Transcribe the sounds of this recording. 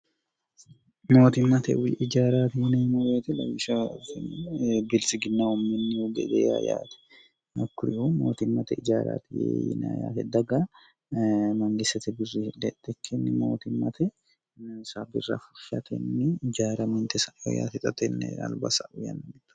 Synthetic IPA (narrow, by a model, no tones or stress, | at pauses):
mo̞ːt̪ɪmːɐt̪ɛ̰ʔɪd͡ʒaːɾaːt̪ɪwʊneːmʊɾeːt̪ɛlɐ̰wɪʃɐ | bɪlsɪɡɪnːawɔmɪnːɪɡɛ̰d̪ɛja̰ja̰ːt̪ɛ̥ | ɐkːʊɾɪʔumo̰ːt̪ɪmːɐt̪ɛɪd͡ʒaːɾa̰ːt̪ɪjḛjɪ̰na̰ja̰ːt̪ɛd̪ɐɡa | mɐŋɡɪsɐt̪ɛbɪrːid̪ɛt̪ːɛkʰːɛnːɪmoːt̪ɪmːɐt̪ʰɛ | nsabɪ̰rːɐ̰fʊ̥ʃɐt̪ʰɛnːɪɪd͡ʒaːɾɐmɛnt̪ɛsɐoja̰ːt̪ɪt̪ʼɐt̪ɛnːɛ̰ɐ̰lbɐsɐʔʊjɐ̰nːɐnɛt̪ːɐ̥